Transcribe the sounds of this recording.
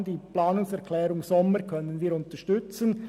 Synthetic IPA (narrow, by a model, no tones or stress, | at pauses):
d̥iːplaːnʊŋsɛʁkʰlɛːɾʊŋsɔməɾkʰœnənviːɾʊntəʃtʏt͡sən